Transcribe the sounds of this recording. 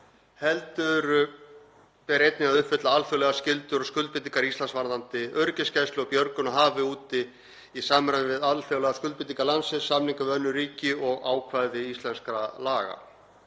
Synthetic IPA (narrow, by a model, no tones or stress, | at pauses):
hɛlt̪ʏɾʏ | pɛɾejt̪nɪaðʏhfʏt̪laalfœːwlɛɣascɪlt̪ʏɾɔɣskʏlt̪̚pɪt̪iŋkaɾist̪lansvaɾðant̪ɪœɾcɪscajst̪ʏɔpjœɾkʏnaɦaːvɪuːt̪ɪ | isaːmɾaɪvɪðalfœwlɛɣaskʏlt̪pɪt̪niŋkalansɪ̥samniŋkavɪðœnːʏɾiːcɪɔɣaːwkʰvajðɪist̪lɛnskɾalaːɣa̰